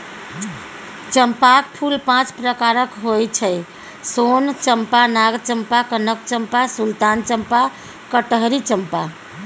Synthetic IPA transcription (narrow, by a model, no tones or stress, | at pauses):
t͡ʃəmpakpʰulpãt͡ʃpɾəkaɾəkɦojt͡ʃʰɛj | sont͡ʃəmpanaɡt͡ʃəmpakənəkt͡ʃəmpasult̪ant͡ʃəmpa | kəʈɦɾit͡ʃəmpa